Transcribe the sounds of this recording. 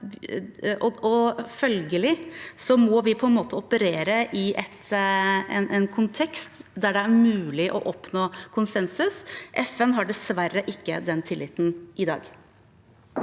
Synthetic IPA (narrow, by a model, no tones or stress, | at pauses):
ɔɔfœlɡəlɪsɔmɔʋɪpʰɔɛnmoːt̪əɔpəɾeːɾəʔɪʔɛt̪ | ɛ̰nʔɛnkʰʊnt̪ʰɛkst̪d̪æɖɛæɾmʉːlɪʔɔ̰ʔɔpnoːkʰʊnsɛnsʉsʔɛfɛnɦɑɖɛsʋæɾːəʔɪkːə̰d̪ɛnt̪ʰɪlːɪt̪n̩ʔɪd̪ɑ̰ːɡ